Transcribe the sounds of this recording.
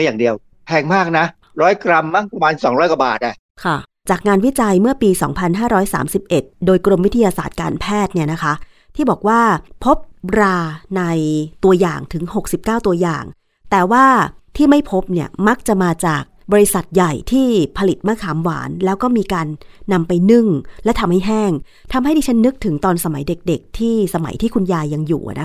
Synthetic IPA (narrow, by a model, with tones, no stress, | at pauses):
jaː˨˩ŋdi˧əw | pʰɛː˧ŋmaː˥˩k̚na˦˥ | ɾɔː˦˥jkɾa˧mːa˥˩ŋpa˧maː˧nsɔː˩˦ŋɾɔː˦˥jkɔa˨˩ba̰ː˨˩t̪̚ʔa˨˩ | kʰa˥˩ | t͡ɕaː˨˩k̚ŋaː˧nwi˦˥t͡ɕa˧jmɯ˥˩ɐpiː˧sɔ̰ː˩˦ŋpʰa˧nɦaː˥˩ɾɔː˦˥jsa̰ː˩˦msi˨˩p̚ʔe˨˩t̪̚doː˧jkɾo˧mwi˦˥t̪ʰa˧jaː˧sa̰ː˨˩t̪̚kaː˧npʰɛː˥˩t̪̚ni˥˩ɐna˦˥kʰa˦˥ | t̪ʰiː˥˩bɔː˨˩k̚waː˥˩pʰo˦˥p̚ɾaː˧na˧jt̪u˧ɐjaː˨˩ŋt̪ʰɯ˩˦ŋho˨˩k̚si˨˩p̚kaː˥˩wt̪u˧ɐja̰ː˨˩ŋ | t̪ɛː˨˩waː˥˩t̪ʰiː˥˩ma˥˩jpʰo˦˥p̚ni˥˩ɐma˦˥k̚t͡ɕa˨˩maː˧t͡ɕaː˨˩k̚bɔː˧i˧sa˨˩t̪̚ja˨˩jt̪ʰiː˥˩pʰa˧li˨˩t̪̚maː˥˩kʰaː˨˩˦mwa̰ː˩˦nlɛː˦˥wkɔː˥˩miː˧kaː˧nːa˧mpa˧jnɯ˥˩ŋlɛ˦˥t̪ʰa˧mha˥˩jɦɛː˥˩ŋ | t̪ʰa˧mɦa˥˩jdiː˧˩t͡ɕʰa˦˥nːɯ˦˥k̚t̪ʰɯ˩˦ŋt̪ɔː˧nsa˧ma˨˩˦jde˨˩k̚de˨˩k̚t̪ʰiː˥˩sa˧ma̰˩˦jt̪ʰiː˥˩kʰu˧njaː˧jːa˧ŋjṵː˨˩˨nʔa˦˥